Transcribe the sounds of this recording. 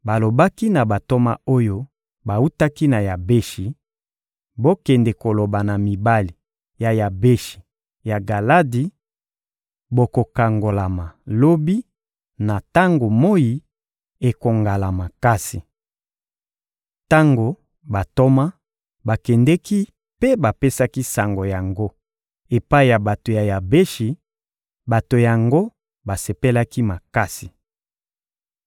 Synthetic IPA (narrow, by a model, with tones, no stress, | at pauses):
ba˨lo˨ba˦ki˦na˨ba˨to˦ma̰˦o˦jo˦ | ba˨u˦ta˦ki˦na˨ja˨be˦ʃi˨ | bo˦kɛ˨ndɛ˨ko˨lo˨ba˨na˨mi˨ba˦li˨ | ja˨ja˨be˦ʃi̥˨ | ja˨ɡa˨la˦di˨ | bo˨ko˨ka˨ŋɡo˨la˨ma˨lo˦bi˦ | na˨ta˦ŋɡo˨mo˦ji˨ | e˨ko˨ŋɡa˨la˨ma˨ka˦si˨ | ta˦ŋɡo˨ | ba˨to˦ma˦ | ba˨kɛ˨ndɛ˦ki˦ | pe˦ba˨pe˦sa˦ki˦sa˨ŋɡo˨ja˨ŋɡo˦ | e˨pa˦i˨ja˨ba˨to˨ja˨ja˨be˦ʃi˨ | ba˨to˨ja˨ŋɡo˦ | ba˨se˨pe˦la˦ki˦ma˨ka˦si˨